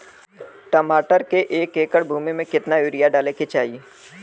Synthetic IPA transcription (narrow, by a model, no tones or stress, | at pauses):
ʈəmaːʈəɾkeʔeːkeːkəɽbʱuːmimẽkɪt̪naʊːɾijaɖaːleket͡ʃaːi